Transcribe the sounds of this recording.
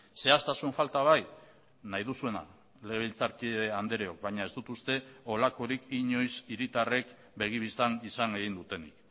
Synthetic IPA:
se̞ast̪asuɱfalt̪aβ̞aj | najðusue̞na̰ | le̞ɣeβilt͡saɾkieand̪e̞ɾeo̞k̚bajɲae̞zd̪ut̪ust̪e̞o̞lako̞ɾikiɲo̞jsiɾit̪are̞k | be̞ɣ̞iβ̞ist̪anisane̞ɣ̞ind̪ut̪e̞nḭk

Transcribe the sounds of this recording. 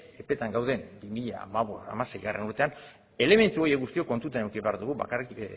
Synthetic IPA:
epe̞t̪aŋɡawð̞e̞nbimiʎa̰maβoa̰mase̞jɣa̰rʔe̞nuɾt̪e̞an | e̞le̞me̞nt̪uo̞je̞kɡust̪io̞ko̞nt̪ut̪anewkiβe̞aɾðuɣ̞uβa̰kari

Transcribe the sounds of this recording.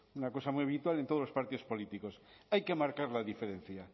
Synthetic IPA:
unakosamujaβit̪walent̪oolospaɾt̪iðospo̞lit̪ikosajkemaɾkaɾlaðifeɾẽn̟θja

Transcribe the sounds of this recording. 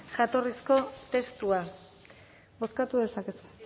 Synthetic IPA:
ʝat̪o̞risko̞t̪e̞st̪ua | bo̞skat̪uðe̞sakes

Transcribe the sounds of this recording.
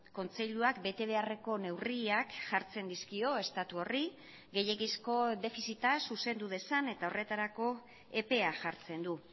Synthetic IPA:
ko̞nt͡se̞ʎuakbe̞t̪e̞β̞e̞are̞ko̞ne̞wriakʝaɾt͡se̞nd̪iskio̞e̞st̪at̪uo̞ri | ɡe̞je̞ɣisko̞d̪e̞fisit̪asuse̞nd̪uðe̞sane̞t̪ao̞re̞t̪aɾako̞ | e̞pe̞aʝaɾt͡se̞nd̪u

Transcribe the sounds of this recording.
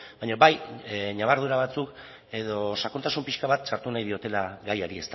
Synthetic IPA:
baɲaβajɲaβ̞aɾðuɾaβ̞at͡suk | e̞ðo̞sakunt̪asumpiʃkaβat̪saɾt̪unajð̞io̞t̪e̞laɣajaɾie̞st̪a

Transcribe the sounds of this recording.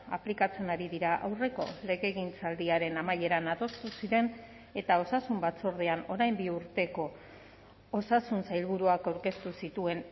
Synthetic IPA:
a̰plikat͡se̞naɾiðiɾaʔa̰wre̞ko̞̰le̞ɣe̞ɣint͡sald̪iaɾe̞namaje̞ɾanaðo̞st̪usiɾe̞n | e̞t̪ao̞sasumbat͡soɾð̞eano̞ɾajmbiuɾt̪e̞ko̞ | osasunsajlβuɾuakawɾke̞st̪usit̪ue̞n

